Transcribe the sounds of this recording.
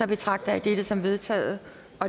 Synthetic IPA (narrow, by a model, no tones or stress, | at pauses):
ɒ̽b̥e̝t͡sʰʁɑ̈ɡ̥̚d̥ɐæd̥eɾ̥əsɒ̽mʋe̝ðˠt͡sʰɛ̰ːð̩ˠə | ɒ̽